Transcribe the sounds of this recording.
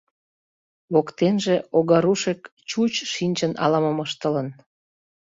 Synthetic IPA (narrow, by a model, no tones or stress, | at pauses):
βokt̪enʒeoɣɑɾuʃekt͡ɕut͡ɕʃinʲt͡ɕənɑ̰lɑməməʃt̪ələn